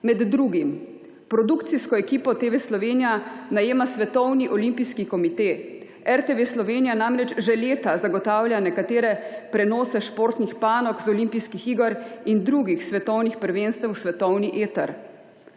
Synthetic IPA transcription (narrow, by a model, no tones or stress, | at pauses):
mɛd̪ːɾuːɡim | pɾɔd̪ukt̪siskɔɛkiːpɔt̪eʋeslɔʋeːnijanajeːmasʋɛt̪ɔwniʔɔlimpiskikɔmit̪eː | ɛɾt̪eʋeslɔʋeːnijanamɾɛt͡ʃʒɛleːt̪azaɡɔt̪aːwlʲjanɛkat̪eːɾɛpɾɛnɔːsɛʃpoːɾt̪nixpaːnɔkzɔlimpiskixiːɡɔɾind̪ɾuːɡixsʋɛt̪ɔwnixpəɾʋeːnst̪ɛwsʋɛt̪ɔwniʔeːt̪ɛ̰ɾ